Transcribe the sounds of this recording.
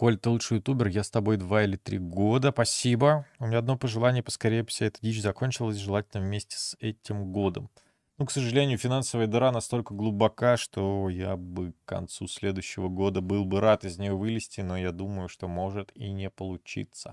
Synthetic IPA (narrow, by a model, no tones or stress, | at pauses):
ko̞lʲt̪ɨlˠuʂɨjʊt̪ubʲɪrjast̪ɐbo̞jd̪vaɪlʲɪt̪ɾʲiɡo̞d̪əpɐsʲibəumʲnʲaɐd̪nopəʐɨlˠanʲɪjəpə̥skɐɾʲejəfsʲaɛt̪ədʲit͡ɕzɐkonʲt͡ɕɪlˠəsʲʐɨlˠatʲɪlʲnəvmʲesʲtʲɪ̥sɛtʲɪmɡo̞d̪ə̰m | nuksəʐɨlʲenʲɪjʊfʲɪnansəvəjəd̪ɨɾanɐst̪o̞lʲkəɡlˠʊbɐkaʂt̪o̞jabɨkkɐ̰nt̪susʲlʲe̞d̪ʊjɕːɪvəɡo̞d̪əbɨlˠbɨɾat̪ɪzʲnʲɪjo̞vɨlʲɪsʲtʲɪno̞jad̪uməjʊʂt̪o̞mo̞ʐɨt̪inʲɪpəlˠʊt͡ɕḭt̪sə̥̰